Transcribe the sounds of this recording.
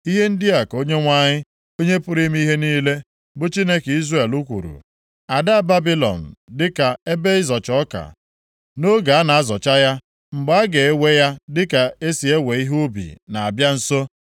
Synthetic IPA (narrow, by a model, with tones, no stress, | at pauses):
i˦ɦe˦n̩˦dɪ˦a˨ko˦ɲe˦ŋʷa˦ɲɪ˦ | o˦ɲe˦pʊ˦ɾi˦m˦i˦ɦe˦niː˦le˦ | bʊ˦t͡ʃi˦ne˦ki˦zre˦˨lu˦kʷṵ˨ɾṵ˨ | a˨da˦a˦˨ba˦bi˦lɔ̰˨n̩˨dɪ˦ka˨e˦be˦ɪ˦zɔ˨t͡ʃɔ˦ka̰˨ | no˦ɡa˨a˦na˨a˦zɔ˨t͡ʃa˦ja˦ | ŋ͡m̩˨ɡ͡ba˦a˦ɡe˨e˦we˦ja˦dɪ˦ka˨e˦si˨e˦we˨i˦ɦu˦bḭ˨na˨a˨bja˦n̩˨so˦